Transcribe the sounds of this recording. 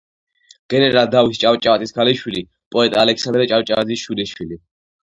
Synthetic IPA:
ɡ̥ɛnɛɾald̪aist͡ʃʼawt͡ʃʼaat̪ʼiskʰaliʃwili | pʼɔɛt̪ʼaːlɛkʰsand̪ɾɛt͡ʃʼawt͡ʃʼaad̪zisʃuliʃwili

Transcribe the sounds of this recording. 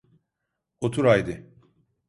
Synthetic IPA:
ot̪ʰuɾajd̪ɪ

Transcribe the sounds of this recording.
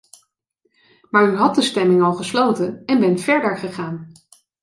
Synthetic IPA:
maːɹyɦɑt̚dəstɛmɪŋɑlˠχəslowtənɛnbɛntfɛɹdəɹχəχaːn

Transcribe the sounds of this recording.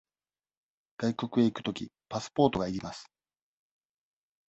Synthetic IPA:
ɡ̥aikʲo̞kɯ̟e̞ikɯ̟̥t̪o̞kʲḭpasɨ̥po̞ːt̪o̞ɡaiɾʲimasɨ̥

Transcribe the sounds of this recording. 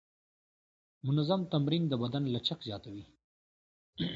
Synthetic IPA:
mʊnazamt̪amɾind̪əbad̪anlat͡ʃakzjɑːt̪awi

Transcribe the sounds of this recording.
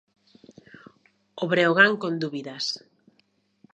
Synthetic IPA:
oβɾeoɣ̞aŋkond̪uβiðas

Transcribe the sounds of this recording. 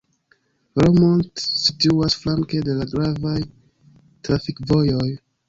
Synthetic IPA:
ɾomontsituasflaŋkede̞laɡɾavaj | tɾafikvo̞joj

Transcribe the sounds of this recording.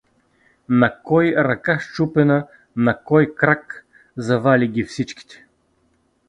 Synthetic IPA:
nɐkɔjɾɐkaʃt͡ʃupɛnə | nɐkɔjkɾak | zɐvalʲiɡʲifsit͡ʃkʲi̥t̪ɛ̥

